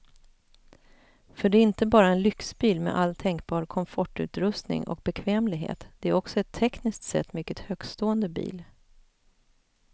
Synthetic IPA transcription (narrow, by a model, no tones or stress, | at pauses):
fœɖɛɪnt̪əbɑːɾaɛnlʏksbiːlmḛʔalːt̪ʰɛŋkbɑːɾkʰɔmfɔʈːʉ̟̰ːt̪ɾɵst̪nɪ̰ŋɔ̰k̚bɛkʰvɛːmlɪɡɦḛːt̪d̪̥ɛæɾɔksɔɛt̪ʰːɛknɪsk̚t̪sɛ̰t̪ːmʏkːət̪høːɡ̥st̪oːənd̪əbḭːl